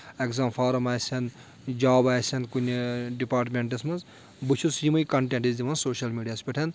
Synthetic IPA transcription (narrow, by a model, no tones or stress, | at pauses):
ekzaːmfʰaːɾɐmaːjsʲɐn | d͡ʒaːbaːjsʲɐnkunʲɖipaːɾʈmʲeɳʈɐsmɐnz | bɨt͡ʃʰusjimɐjkɐɳʈẽɳʈizd̪imɐnsoːʃɐlmiːɖijaːspʲeʈʰɐn